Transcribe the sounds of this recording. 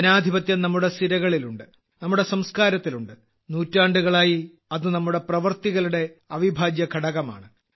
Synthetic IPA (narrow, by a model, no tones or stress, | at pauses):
ɐnaːd̪ʱibɐt̪jɐnɐmːuɽe̞st̪iɾɐɣɐɭiluɳɖɨ | nɐmːuɽe̞sɐmskaːɾɐt̪ːiluɳɖɨ | nuːtːaːɳɖuɣɐɭaːji | ɐðɨnɐmːuɽe̞prɐʋɐrt̪iɣɐluɽe̞ɐʋibʱaːd͡ʑjɐkʰɐɽɐɣɐma̰ːɳɨ